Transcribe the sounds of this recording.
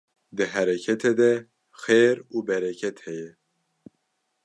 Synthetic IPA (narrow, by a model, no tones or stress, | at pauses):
d̪ɨɦæɾɛkʰɛt̪ʰɛd̪ɛ | xeːɾuːbɛɾɛkʰɛt̪hɛjɛ